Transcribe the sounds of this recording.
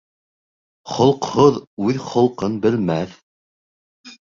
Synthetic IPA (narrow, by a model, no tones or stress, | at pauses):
χŏlˠqhoðʉðχŏlˠqɤnbɘ̆lmæθ